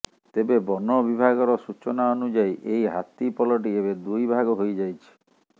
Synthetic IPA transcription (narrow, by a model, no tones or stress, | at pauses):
t̪ebebɔnɔbibʱaɡɔɾɔsut͡ʃɔnaɔnud͡ʒajʔejɦat̪ipɔlɔʈ̬iebed̪ujbʱaɡɔɦojd͡ʒajt͡ʃʰi̥